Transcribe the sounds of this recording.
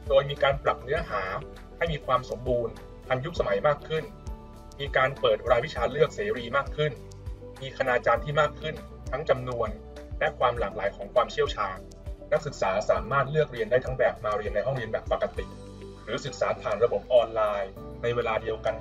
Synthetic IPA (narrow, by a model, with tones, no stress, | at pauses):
doː˧jmiː˧kaː˧npɾa˨˩p̚nɯ˦˥ɐɦaː˩˦ | ha˥˩jmiː˧kʰwaː˧mso˩˦mbuː˧n | t̪ʰa˧nju˦˥k̚sa˧ma˩˦jmaː˥˩kʰɯ˥˩n | miː˧kaː˧npɤː˨˩t̪̚ɾaː˧wi˦˥t͡ɕʰaː˧lɯ˥˩ək̚seː˩˦ɾiː˧maː˥˩kʰːɯ˥˩n | miː˧kʰa˧naː˧t͡ɕaː˧nt̪ʰiː˥˩maː˥˩kʰːɯ˥˩n | t̪ʰa˦˥ŋt͡ɕa˧mnu˧ən | lɛ˦˥kʰwaː˧mlaː˩˦k̚laː˩˦jkʰɔː˩˦ŋkʰwaː˧mt͡ɕʰi˥˩əwt͡ɕʰaː˧n | na˦˥k̚sɯ˨˩k̚saː˩˦saː˩˦maː˥˩t̪̚lɯ˥˩ək̚ɾi˧əndaː˥˩jt̪ʰa˦˥ŋbɛː˨˩p̚maː˧ɾi˧ənːa˧jɦɔ˥˩ŋɾi˧ənbɛː˨˩pːa˨˩kːa˧t̪i˨˩k̚ | ɾɯː˩˦sɯ˨˩k̚saː˩˦t̪ʰaː˨˩nɾa˧bo˨˩p̚ʔɔː˧nlaː˧j | na˧jweː˧laː˧di˧əwka˧n